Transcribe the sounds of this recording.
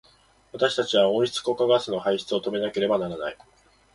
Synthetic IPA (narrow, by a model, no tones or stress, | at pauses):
βat̪aɕi̥t̪at͡ɕiβ̞aõ̞ɰ̃ɕi̥t͡sɨ̥ko̞kaɡasɨno̞haiɕi̥t͡sɨo̞t̪o̞me̞nake̞ɾe̞banaɾana̰i